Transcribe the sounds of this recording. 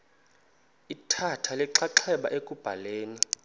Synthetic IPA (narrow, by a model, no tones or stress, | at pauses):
itʰatʰalɛǁaǃʰɛɓa̰ʔekʼub̥ʱaleːni